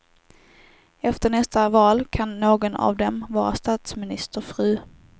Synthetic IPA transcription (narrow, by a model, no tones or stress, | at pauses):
ɛft̪əɳɛst̪avɑːlkʰanːoːɡɔna̰vd̪ɛmvɑːɾa̰st̪ɑːt̪smɪnɪst̪əɾfɾʉ̟ː